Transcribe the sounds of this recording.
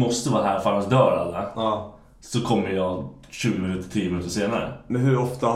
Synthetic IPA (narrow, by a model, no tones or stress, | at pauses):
mɔst̪əvɑːɦæːɾfaɾənsd̪œːɾa̰lːa | sɔkʰɔmːəɾjɑː | ɕʉ̟ːɡɪmɪnʉ̟ːt̪əʈʰiːəmɪnʉ̟ːt̪əʂeːnaɾə̰mɛnɦɵɾɔft̪a